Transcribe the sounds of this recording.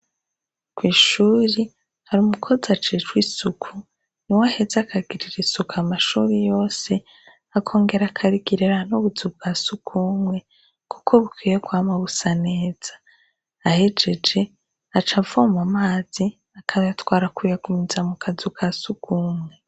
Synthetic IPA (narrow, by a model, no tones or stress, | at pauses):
kwiːʃuːɾi | haɾumukʰo̞zat͡ʃet͡ʃwisukʰu | niwahe̞zakʰaɡiɾiɾisukamaʃuːɾijo̞ːse̞ | akʰo̞ːŋɡe̞ɾakʰaɾiɡiɾeɾanoβuzub̚ɡ̥asukʰumwe̞ | kʰu̥kʰoβukwijekwaːmaβusane̞ːz̥ḁː | he̞d͡ʒe̞d͡ʒe̞ | at͡ʃavomamaːz̥i | akʰaβajatwaːɾakujakumizamukʰazukʰasukʰuːmŋe̞